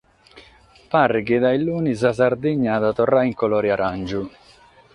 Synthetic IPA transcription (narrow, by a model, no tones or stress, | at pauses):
parːɪkɪd̪ailːuːnis̬as̬ard̪iɲːad̪at̪ɔrːaiŋkɔlɔːɾiaɾand͡ʒu